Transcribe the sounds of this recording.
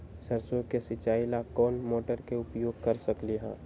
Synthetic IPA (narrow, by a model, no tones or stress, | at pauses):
səɾsokesɪt͡ʃaːɪlakɔːnmoːʈəɾkeʊpjoːɡ̚kɐɾsəkliɦɛ̰̃ː